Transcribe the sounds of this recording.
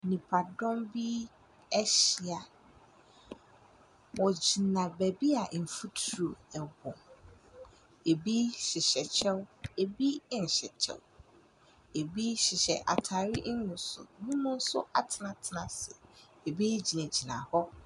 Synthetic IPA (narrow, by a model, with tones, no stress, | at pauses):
nĩ˨pʰa˨dɔ̃˦mbi˦ | ɛ˦ɕɪ˨a˨ | wɔ˨d͡ʑi˨nã˨bæ˨bi˦a˨ʔn̩˨fu˦tʰɾu˨ɛ˨ɡʊ̃˨ | e˨bi˦ɕɪ˨ɕɛ˨t͡ɕʰɛ˦we˨bi˦˨n̩˨ɕɛ˨t͡ɕʰɛ̰˦w | e˨bi˦ɕɪ˨ɕɛ̰˨ʔa̰˨tʰaː˨ɾɪ˦ʔnʊ̃˨sʊ̰˨nũ˦mũ˦n̩˦sʊ̰˦a˨tʰɪ˨nã˨tʰɪ˨nã˨sɪ̰˨ | e˨bi˦d͡ʑi˨nẽ˨d͡ʑi˨nã̰˨hɔ˦